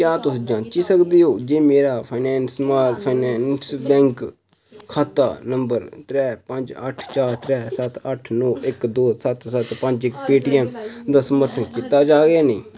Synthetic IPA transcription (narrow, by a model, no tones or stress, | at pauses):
kjãːt̪ʊsd͡ʒãːt͡ʃiːsəkd̪iːɦoːd͡ʒeːmeːɾaːpʰaɪnɛːnsmaːpʰaːnɛːnsbɛ̃ːŋk | kʰːaːt̪a̰ːnəmbəɾt̪ɾɛːpəɲd͡ʒə̰ʈʰt͡ʃaːɾt̪ɾɛːsət̪ʰəʈʰnɔːʔɪkd̪oːsət̪sət̪pə̃ɲd͡ʒɪkpiːʈiːɛmd̪aːsəməɾt̪ʰənkiːt̪aːd͡ʒaːɡeːniː